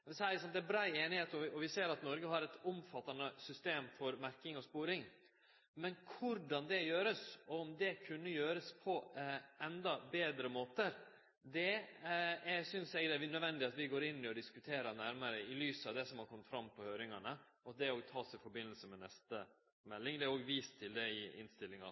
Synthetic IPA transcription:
sæɾɪsɑnd̪æbɾɑːeːnɪheːt̪ɔɔʋɪseːɾɑt̪nɔɾɡəɦɑɾɛt̪ʊmfɑt̪ːɑnəsʏst̪eːmfɔɾmæɾkɪŋɔspuːɾɪŋ | mɛnkʰʊɾɖɑnd̪ɛjøːɾəsɔɔmd̪ɛkʰʉnːəjøːɾəspʰɔʔɛnd̪ɑbeːd̪ɾəmoːt̪əɾ | d̪ɛ | ɛsʏnsɛɡd̪ɛʋɪnœd̪ʋɛnd̪ɪɑt̪ʋɪɡoːɾɪnːɪɔd̪ɪskʉt̪ʰeːɾɑɾnæɾməɾəɪlyːsɑʋd̪ɛsɔmhɑkʰɔmːət̪fɾɑmːpɔhøːɾɪŋɑɳə | ɔd̪ɛɾoːɡt̪ʰɑːsɪfɔɾbɪnːəlsəmɛnɛst̪ə | mɛlːɪŋd̪ɛæɾoːɡʋiːst̪ʰːɪld̪ɛɪɪ̰nst̪ɪlːɪŋɑ̰

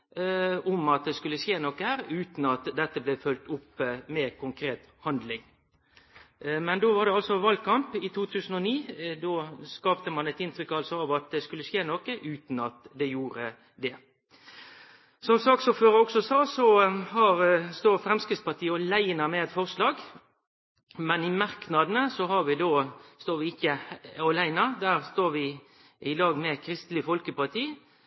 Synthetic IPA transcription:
ʊmɑt̪̚d̪ɛskʉlːəʂeːnɔkːəhæːɾʉːt̪n̩ɑt̪d̪ɛt̪ːəblɛfœlt̪ʊpːəmɛkʊŋkʰɾeːt̪ | hɑnd̪lɪŋ | mɛnd̪oːʋɑʁd̪ɛɑlsɔʋɑld̪̚kʰɑmpɪt̪ʰuːt̪ʰʉːsən̩ɔniːd̪oːskɑːpt̪əmɑnɛt̪ɪnt̪ɾʏkːɑlsɔɑʋɑt̪̚d̪ɛskʉlːəʂeːnɔkəʔʉːt̪n̩ɑt̪d̪ɛjuːɾə | d̪ɛ | sɔmsɑːksɔføːɾəɔksɔsɑːsɔhɑɾst̪oːʁfɾɛmskʁɪt̪spɑt̪ʰiːɔlæɪnɑmɛɛt̪fɔʁslɑːɡ | mɛnɪmɑʁknɑd̪ənəsɔɦɑɾʋɪd̪oːst̪oːɾʋɪɪkːəɔlæɪnɑd̪æːʁst̪oːɾʋɪ | ʔɪlɑːɡmɛkʰɾɪst̪lɪfɔlkəpɑt̪ʰiː

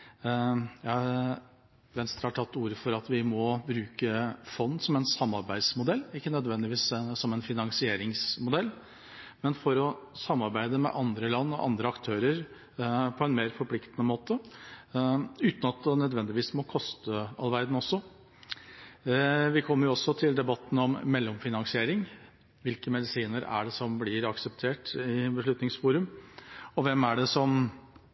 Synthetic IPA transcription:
jɑ | ʋɛnst̪əɾhɑʈʰɑt̪ʰːuːɾəfɔɾɑt̪ʋɪmɔbɾʉːkəfɔnːsɔmɛnsɑmːɑɾbæɪd̪smʊd̪ɛlːɪkːənœd̪ʋɛnd̪ɪʋiːssɔmɛnfɪnɑŋsɪeːɾɪŋsmʊd̪ɛlː | mɛnfɔɾɔsɑmːɑɾbæɪd̪əmɛ̰ʔɑnd̪ɾəlɑnːɔʔɑ̰nd̪ɾəɑkt̪ʰøːɾəɾ | pʰɔɛnmeːɾfɔɾpʰlɪkt̪ənəmoːt̪ə | ʉːt̪nɑt̪̚d̪ɛnœd̪ʋɛnd̪ɪʋiːsmɔkʰɔst̪əɑlʋæɾd̪n̩ɔsːɔ | ʋɪkʰɔmːəɾjʊɔsːɔt̪ʰɪld̪ɛbɑt̪ːn̩ɔmːɛlːɔmfɪnɑnsɪeːɾɪŋ | ʋɪlkəmɛd̪ɪsiːnəɾæ̰ɖɛsɔmblɪɾɑksəpt̪ʰeːʈɪbəʂɭʉt̪nɪŋsfuːɾʉmɔʋɛmːæɖɛsɔm

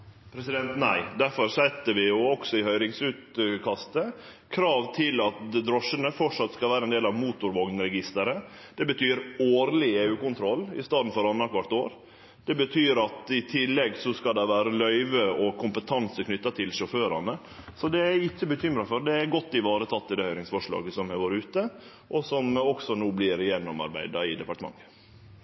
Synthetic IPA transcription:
pʰɾɛsɪd̪ɛnt̪næɪd̪æɾfɔɾsɛt̪ːəʋɪjʊɔksɔɪhœʏɾɪŋsʉːt̪kʰɑst̪ə | kʰɾɑːʋt̪ʰɪlɑt̪d̪ɾɔʂənəfɔʈʂɑt̪skɑlʋæːɾəɛnd̪eːlɑʋmuːt̪ʊɾʋɔɡnɾɛɡɪst̪əɾə | d̪̥ɛbət̪ʰyːɾoːɾlɪeːʉːkʊnt̪ʰɾɔlːɪst̪ɑːd̪n̩fɔɾɑnɑkʰʋɑʈ̪ːoːɾ | d̪̥ɛbət̪ʰyːɾɑt̪ɪt̪ʰɪlːɛɡsɔskɑd̪ɛʋæːɾəlœʏʋəɔkʰʊmpət̪ʰɑnsəkʰnʏt̪ːɑt̪ʰɪlʂɔføːɾɑnə | sɔd̪ɛæɾɪçːəbəçʏmɾɑfɔɾɖ̪ɛæɾɡɔt̪ːɪʋɑːɾət̪ʰɑt̪ːɪd̪ɛːhœʏɾɪŋsfɔʂɭɑ̰ːɡəsɔmæɾʋoːɾʉːt̪ə | ʔɔsɔmɔksɔnuːblɪɾjɛnːɔmɑ̰ɾbæ̰ɪd̪ɑɪd̪ɛpɑʈəmɑ̰ŋːə

